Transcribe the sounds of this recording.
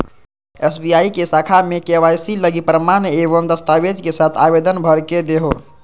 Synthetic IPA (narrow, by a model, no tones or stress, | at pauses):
esbijaikesakʰamekeʋajsiləɡipɾəmaneβəmd̪əst̪aʋed͡ʒkesat̪ʰabed̪ənbʱəɾked̪eɦo